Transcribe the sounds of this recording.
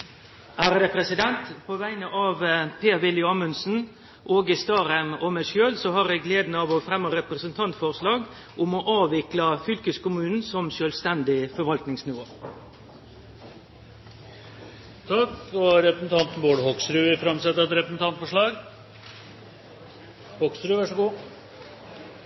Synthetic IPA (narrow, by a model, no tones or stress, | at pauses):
æːɾəd̪ɛpʰɾɛsɪd̪ɛnt̪pʰoːʋæɪnəʔɑːʋpʰeːɾʋɪljʊɑːmʉnsn̩ | ʔoːɡɪst̪ɑːɾæmɔmæɪʃøːlsɔhɑɾæɡleːd̪nɑʋɔfɾɛmːɑɾɛpɾəsənt̪ʰɑnt̪fɔʁʂlɑːɡ | ʔʊmɔʔɑːʋɪklɑfʏlkəskʊmʉːnn̩sɔmʃœːlst̪ɛnd̪ɪfɔɾʋɑlt̪nɪŋsnɪʋo̰ː | t̪ʰɑkɔɾɛpɾəsn̩t̪ʰɑnt̪n̩boːɽhɔksɾʉːʋɪfɾɑmsɛt̪ːəɾɛt̪ɾɛpɾəsn̩t̪ɑnt̪fɔʂɭɑːɡ | hɔkst̪ɾʉːʋæʂɔɡuː